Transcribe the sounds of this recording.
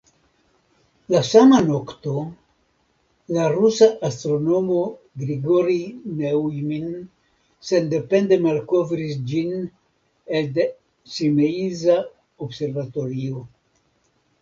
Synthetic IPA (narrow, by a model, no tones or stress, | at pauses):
lasamano̞kto̞ | laɾusaʔːst̪ɾo̞no̞mo̞ | ɡɾiɡo̞ɾineumin | se̞nde̞pe̞nde̞malko̞vɾisd͡ʒin | elde | simeiza | obse̞ɾvato̞ɾio̞